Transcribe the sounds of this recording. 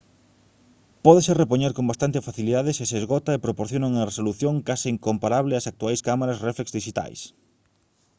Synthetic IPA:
pɔðeserepoɲeɾkombast̪ant̪ɪfaθiliðaðɪsɪseːzɣɔt̪ɐepɾopoɾθjonoŋuŋɐresoluθjoŋkasɪiŋkompaɾaβlɪɐsak̚t̪uajskamaɾɐsreflekzðiʃit̪a̰js

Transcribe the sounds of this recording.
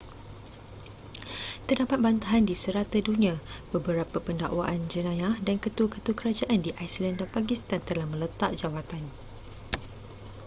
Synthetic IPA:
t̪ərdapat̪̚bant̪aɦandisəɾat̪adunĩãbəbəɾapapənda̰ʔwaʔand͡ʒənãjahdankət̪ukət̪ukəɾad͡ʒaʔandiʔajslandanpak̬ist̪ant̪əlahmə̃lət̪aʔ̚d͡ʒawat̪an

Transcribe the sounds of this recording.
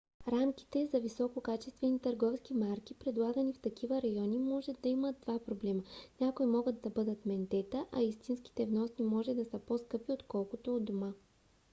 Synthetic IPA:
ɾamk̟i̥t̪ɛzɐvisɔkokat͡ʃɛst̪vɛnit̪əɾɡɔfskimaɾk̟ʲipɾɛd̪lˠaɡɐnift̪ɐk̟ivəɾɐjɔnimɔʒɛd̪ːɐiməd̪d̪vapɾoblɛmənʲakoimɔɡəd̪̚d̪ɐbɤd̪ət̪mɛnt̪ɛt̪əʔɐist̪insk̟i̥t̪ɛvnɔsnimɔʒɛd̪ɐsəposkɤpiot̪kɔlˠkot̪oːd̪oma

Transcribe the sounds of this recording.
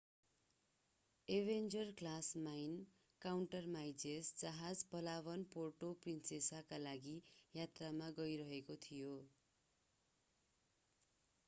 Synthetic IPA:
ebʱend͡zʌrklasmajn | kawɳʈʌrmajd͡zesd͡zaɦad͡zpʌlaβʌnporʈoprinsesakalaɡijat̪ramaɡʌjɾʌɦekot̪ʰijo

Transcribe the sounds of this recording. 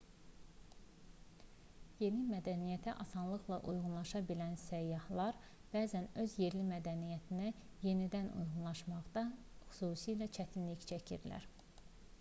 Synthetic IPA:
je̞nimæd̪ænijæt̪ʰæʔɑsɑnlˠɯχlˠɑʔujʁunlˠɑʃɑbilænsæjːɑhlˠɑɾ | b̥æːzænø̞zje̞ɾlimæd̪ænijæt̪ʰinæ | je̞nid̪ænʔṵjʁunlˠɑʃmɑʁd̪ɑxy̥suːsijlæt͡ʃʰæt̪ʰinliçt͡ʃʰæcʰḭɾlæ̰ɾ

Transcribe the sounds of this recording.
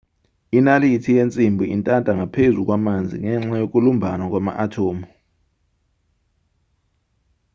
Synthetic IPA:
inalitʰijent͡sʼimbʱiintʼantʼaŋapʰezuk̬wamand͡zʱḭŋɛŋ͡ǁajok̬ulumbʱanwak̬wama̰ʔatʰoːmu

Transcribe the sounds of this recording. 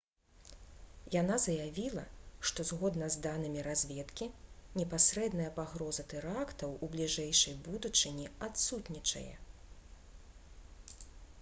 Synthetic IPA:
jan̪azɐjavʲilˠɐ̰ʂt̪ɔzɣɔd̪nɐzd̪anɨmʲiɾazʲvʲɛt̪kʲinʲɛpasɾɛd̪nɐjɐpaɣɾɔzɐt̪ɛɾakt̪ɐwublʲiʐɛjʂɐjbud̪ut͡ʂɨnʲiat̪sut̪nʲit͡ʂɐ̰jɛ̰

